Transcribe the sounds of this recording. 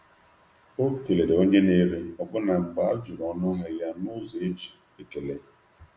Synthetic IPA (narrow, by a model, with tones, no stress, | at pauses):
o˦ke˨le˨de˨o˦ɲe˦ne˦ɾe˨ɔ˨ɡ͡bʊ˦na˨m̩˨ba˨˦a˦d͡ʒu˨ɾɔ˨˦nʊ˦ɦɪ˦ja˦nʊ˦ze˨e˦d͡ʒi̥˨ | e˨ke˨le˨